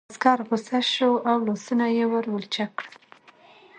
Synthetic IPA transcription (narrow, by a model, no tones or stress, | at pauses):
skɑɾɣʊsaʃoʔawlosunajewəɾwəlt͡ʃakɽə